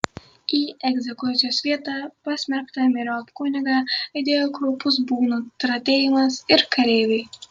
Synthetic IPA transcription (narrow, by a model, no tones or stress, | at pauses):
iːɛɡzʲekusʲjɔsvʲiɛt̪aːpasʲmʲæɾkt̪amiɾapkunʲaɡaːid̪ʲeɔɡɾupːus̬buːnut̪ɾat̪ʲeːjumasiɾkaɾeːvʲi